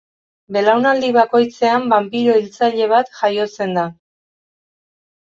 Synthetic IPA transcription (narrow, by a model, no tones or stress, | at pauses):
be̞lawnald̪iβako̞jt͡se̞ambampiɾoilt͡saʎe̞β̞at̪ʝajo̞t͡se̞nd̪a